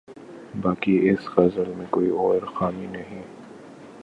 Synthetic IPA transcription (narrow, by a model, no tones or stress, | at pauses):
baːkiɪskɐzəlmẽkoːiɔːɾxaːminɐɦĩ